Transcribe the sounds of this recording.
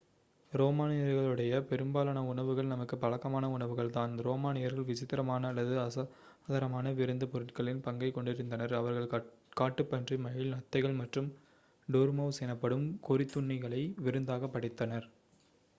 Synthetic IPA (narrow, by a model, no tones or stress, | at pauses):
ɾoːmaːnɪjɐɾɣɐɭɯɽɐjɐpɛɾɯmbaːlaːnɐʊɳɐʋɯɣɐɭnɐmɐkːɯpːɐɭɐkːɐmaːnɐʊɳɐʋɯɣɐɭt̪aːnɾoːmaːnɪjɐɾɣɐɭʋɪt͡ʃɪt̪ːɪɾɐmaːnɐlːɐðɯɐɐ | ðɐɾɐmaːnɐʋɪɾɯnd̪ɯpɔɾɯʈkɐɭɪnpɐŋɡɐɪkːɔɳɖɪɾɯnd̪ɐnɐɾɐʋɐɾɣɐɭkaːʈːɯpːɐndrimɐjɪlnɐt̪ːɐɪɣɐɭmɐʈrɯm | ɖoːɾmɐʋseːnɐpːɐɽɯmkʊrɪt̪ːʊɳːɐɣɐɭɐɪʋɪɾɯnd̪aːɣɐpːɐɽɪt̪ːɐnɐɾ